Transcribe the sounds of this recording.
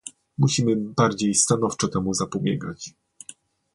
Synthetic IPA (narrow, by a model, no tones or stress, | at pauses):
muɕimɘbaɾd͡ʑejst̪anɔft͡ʂɔt̪ɛmuzapubʲjɛɡat͡ɕ